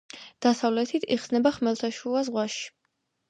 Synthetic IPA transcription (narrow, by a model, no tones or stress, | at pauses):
d̪̥asavlɛt̪ʰit̪ʰḭχsnɛbaχmɛlˠt̪ʰaʃuazʁwaʃi̥